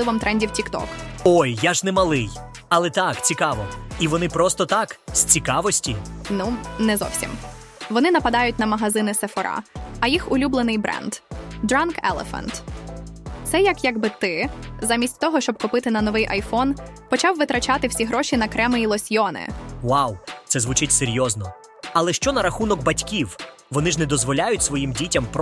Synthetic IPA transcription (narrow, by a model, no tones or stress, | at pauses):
lˠɪʋɔmt̪ɾʔɛnʲdʲiwtʲikt̪ɔ̰kɔjːaʒnɛmɐlˠɪj | ɐlˠɛt̪akt͡sʲikɑʋɔiʋɔnɪpɾɔst̪ɔt̪ɑksʲt͡sʲikɑʋɔsʲtʲinunɛzɔ̰wsʲḭm | ʋɔnɪnɐpɐd̪ɑjʊt̚ʲnɐmɐɦɐzɪnɪsefɔɾʔɑ̰ɐjixʊlʲublˠenɪjbɾɛ̰nd̪̥d̪ɾɑnkɛ̰lˠḛfɐ̰nt̪ | t̪sɛjɐkjɐɡbɪt̪ɪzamʲisʲtʲt̪ɔɦɔʃt͡ʃɔb̚kʊpɪt̪ɪnɐnɔʋɪjʔɐjfɔnpɔt͡ʃɑwʋɪt̪ɾɐt͡ʃɑt̪ɪwsʲiɦɾɔʃʲinɐkɾɛmɪjilˠɔsʲjɔnɪ̰wawt̪sɛzʋʊt͡ʃɪtʲseɾʲjɔznɔ | ɐlˠɛʃt͡ʃɔnɐɾɐxunɔɡ̚bɐtʲkʲiw | ʋɔnɪʐnɛd̪ɔzʋɔlʲajʊtʲsʋɔjimdʲitʲɐmp